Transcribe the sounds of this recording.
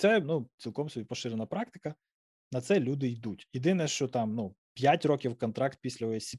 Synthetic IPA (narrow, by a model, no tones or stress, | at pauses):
t̪sɛnut͡sʲilˠkɔmsʲɔbʲipɔʃɪɾenɐpɾɑk̚t̪ɪ̥kɐ | nɐt̪sɛlʲud̪ɪjd̪utʲjɪd̪ɪnɛʃt͡ʃɔt̪ɑmnu | pʲjatʲrɔkʲiwkɔnt̪ɾɑkt̪̚pʲisʲlʲɐɔjɛsʲi